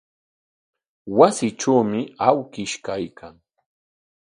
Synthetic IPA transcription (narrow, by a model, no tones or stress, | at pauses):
wasɪʈ͡ʂawmɪawkɪʃkajkʰaŋ